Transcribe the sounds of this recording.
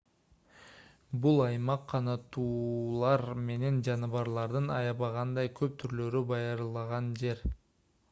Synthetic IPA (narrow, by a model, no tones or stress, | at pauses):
bulˠɑjmɑqʰːɑnɑt̪uːlˠɑɾme̞ne̞nd͡ʒɑnɯβɑɾlˠɑɾd̪ɯnɑ̰jɑβɑʁɑnd̪ɑjkʰø̞p̚t̪ʰyɾlø̞ɾybɑjɑɾlˠɑʁɑnd͡ʒe̞ɾ